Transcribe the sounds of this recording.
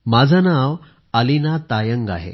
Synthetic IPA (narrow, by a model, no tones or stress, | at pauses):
mad͡zʱanaʋ | əlinat̪ajəŋɡa̰ɦḛ